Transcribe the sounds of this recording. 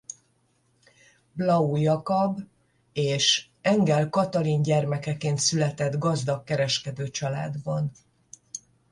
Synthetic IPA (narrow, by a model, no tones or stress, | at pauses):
blɒujɒkɒb | eːʃ | ɛŋɡɛlkɒt̪ɒlinɟɛrmɛkɛkeːnt̪sylɛt̪ɛd̪ɡɒzd̪ɒkːɛɾɛʃkɛd̪øːt͡ʃɒla̰ːd̪bɒn